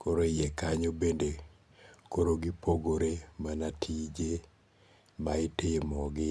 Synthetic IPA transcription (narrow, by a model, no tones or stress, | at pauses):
koɾojekaɲobende | koɾoɡɪpoɡoɾemanatʰid͡ʒe | maɪtɪmɔɡɪ